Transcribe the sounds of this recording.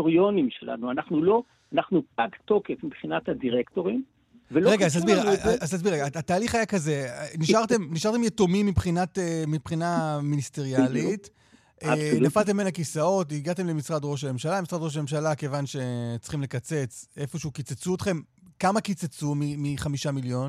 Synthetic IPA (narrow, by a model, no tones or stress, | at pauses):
oʁjo̞nimʃela̰nuanaχnulo̞ | anaχnuakt̪o̞kefmibχinat̪hadiʁekto̞ʁim | veloʁeɡazt̪aszbiʁazt̪as̬biɣʁeɡaːt̪aːliχajakaze̞niʃʔaʁte̞mniʃaʁt̪emjetomimːibχinatemipχinaministeʁijalit | ʔenafalt̪̬e̞mːbenakisao̞tiɡat̪e̞mlemisʁad̪ʁo̞ʃ̬ame̞mʃalamisʁadʁoʃ̬ame̞mʃalake̞vanʃe̞t͡sχimle̞kat͡se̞t͡se̞fo̞ʃeukit͡set͡suot̪χe̞m | kamakit͡set͡sumimiχamiʃamiljo̞n